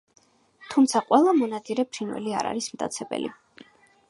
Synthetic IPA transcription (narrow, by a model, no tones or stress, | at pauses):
t̪ʰumt̪sʰaqʼwɛlˠamɔnad̪zʼiɾɛpʰɾinwɛ̰lia̰ɾa̰ɾismd̪ʼa̰t̪sʰɛbɛ̰lḭ